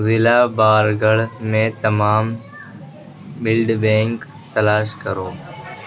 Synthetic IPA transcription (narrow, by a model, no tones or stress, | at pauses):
zɪlaːbaːɾɡəɽmẽːt̪əmaːm | bɪlɖbẽːŋk | t̪əlaːʃkəɾoː